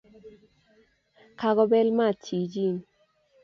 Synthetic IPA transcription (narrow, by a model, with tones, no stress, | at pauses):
kʰa˧ɡɔ˧bɛ˦lma˦˨ti˨d͡ʒi˦˨n